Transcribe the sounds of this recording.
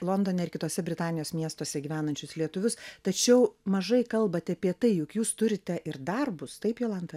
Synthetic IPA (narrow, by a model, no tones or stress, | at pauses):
lˠoːnd̪oːnʲɛɪrkʲɪt̪oːsʲɛbʲɾʲɪt̪ɑːnʲɪjoːsmʲiɛst̪oːsʲɛɡʲiːʋʲæːnɐnʲt͡ʃʲʊslʲiɛt̪ʊʋʲʊst̪ɐt͡ʃʲɛʊmɐʒɐɪkɐlˠbɐt̪ʲɛɐpʲiɛt̪ɐɪjʊkjuːst̪ʊɾʲɪt̪ʲɛʔɪɾd̪ɐrbʊst̪ɐɪpjolˠɐnd̪ɐ